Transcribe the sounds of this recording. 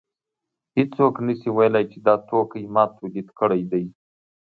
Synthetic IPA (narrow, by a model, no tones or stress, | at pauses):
hɪt͡soknəsiwajlajt͡ʃed̪ɑt̪okəjmɑt̪ʰolit̪kəɽajd̪aj